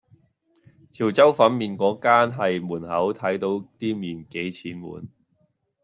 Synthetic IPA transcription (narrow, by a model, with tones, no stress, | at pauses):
t͡sʰiː˨˩wt͡sɐ˥wfɐ˨˥nmiː˨˧nkɔː˨˥kaː˥nɦɐ˨jmuː˨˩nhɐ˨˥wt̪ʰɐ˨˥jt̪o˨˥wt̪iː˥miː˨˩nke˨˥jt͡sʰiː˨˥nmṵː˨˩n